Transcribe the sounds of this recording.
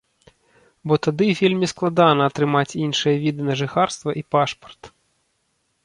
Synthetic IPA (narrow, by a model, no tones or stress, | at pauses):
bɔt̪ad̪ɨfʲilʲmʲisklˠad̪anɐːt̪ɾɨmat͡sʲinʂɨjɐvʲid̪ɨnɐʐɨxarst̪vɐʔipaʂpɐ̥rt̪